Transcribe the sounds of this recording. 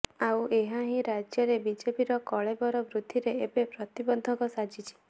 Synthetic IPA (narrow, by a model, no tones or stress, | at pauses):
awʔeɦaɦĩɾad͡ʒjɔɾebid͡ʒepiɾɔkɔɭebɔɾɔbɾud̪ʱiɾeebepɾɔt̪ibɔnd̪ʱɔkɔsad͡ʒit͡ʃʰi̥